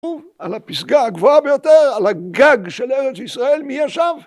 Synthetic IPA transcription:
u | alapisɡaːɡvoabejo̞t̪eʁalaɡaɡʃeleʁet͡sisʁae̞lmijaʃav

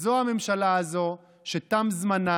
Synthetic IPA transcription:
zo̞ame̞mʃalaːzo̞ | ʃetamzmana

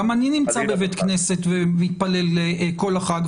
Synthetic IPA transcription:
amaninimt͡sabevet̪knese̞t̪vemit̪̚pale̞leko̞laχaɡ

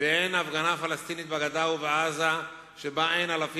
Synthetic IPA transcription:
eenafɡanafalast̪init̪̚baɡad̪aubeʔaza | ʃebaʔenalafi

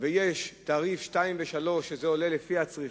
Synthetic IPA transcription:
vejeʃt̪aʁifʃtaimveʃalo̞ʃːezeolelefihat͡sʁi

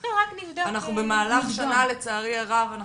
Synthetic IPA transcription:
ʁaknivd̪oanaχnube̞maːlaχʃanale̞t͡saːʁiaʁavana

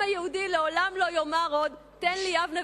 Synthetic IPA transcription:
hajehudileolamlo̞jomaʁo̞d̪ | t̪enliavna

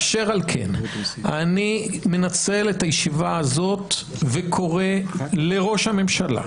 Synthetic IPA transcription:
aʃeʁalkʰḛnanime̞nat͡se̞let̪ajeʃivaazo̞t̪ | vekʰo̞ʁe̞le̞ʁo̞ʃhame̞mʃala̰

